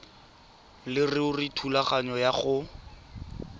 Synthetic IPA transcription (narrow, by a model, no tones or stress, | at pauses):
lɪrɪʊritʰulaχaɲɔjaχʊ